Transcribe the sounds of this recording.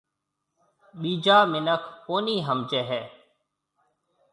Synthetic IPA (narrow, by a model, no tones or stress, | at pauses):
ɓiːd͡ʒaːmɪnəkʰkoːniːɦəmt͡ʃeːɦɛː